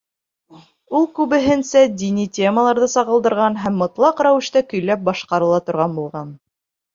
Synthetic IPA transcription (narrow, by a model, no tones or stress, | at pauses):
ulˠkʉβɘ̆ɦɘ̆nsæd̪ʲinitʲeməlˠɑɾðɤsɑʁɤ̆lˠd̪ɤ̆ɾʁɑnɦæmːɤ̆t̪lˠɑqɾæwɘ̆ʃt̪ækɵ̆jlæp̚bɑʃqɑɾɤ̆lˠɑt̪ŏɾʁɑnbulˠʁɑn